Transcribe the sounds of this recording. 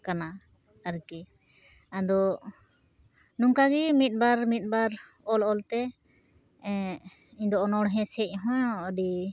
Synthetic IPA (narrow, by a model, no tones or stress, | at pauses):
kana | əɾkɛ | ad̪ɔ | nuŋkaɡimit̪̚ˀbaɾmit̪̚ˀbaɾ | ɔlɔlt̪ɛ | iɲd̪ɔːnɔɽɦɛ̃sɛc̚ˀɦɔ̃jɔɖi